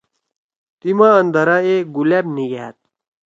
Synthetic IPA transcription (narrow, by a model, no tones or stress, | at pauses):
t̪imaːnd̪ɐɾaeɡulebniɡet̪̚